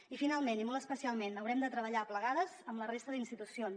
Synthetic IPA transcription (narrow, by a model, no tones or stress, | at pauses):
ifinalˠmenimolˠt̪əspəsialˠmenəwɾɛmd̪ət̪ɾəβəʎapləɣaðəzəmlərest̪əðinst̪it̪usions